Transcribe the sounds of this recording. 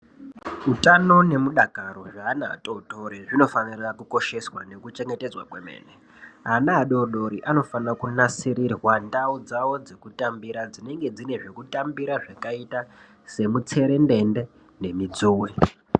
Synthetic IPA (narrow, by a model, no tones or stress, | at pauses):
utano̞ne̞muɗakaɾo̞ʐaːna̰ːtʼotʼoɾiʐino̞fanirakuko̞ʃe̞swane̞kut͡ʃe̞ŋɡe̞te̞d͡zwa̰kwemḛːne | ɦanaːɗo̞ɗo̞ɾiʔano̞fanirakunasirirwandaud͡zawo̞d͡ze̞kutambiɾad͡zine̞ŋɡe̞d͡zine̞ʐekutambiɾaʐakaita | se̞mut͡se̞ɾe̞nde̞nde̞ | ne̞mid͡zuːwe